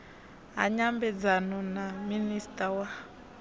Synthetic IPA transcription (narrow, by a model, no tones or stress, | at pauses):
ɦa̰ɲambɛd͡zanɔnaministʼawa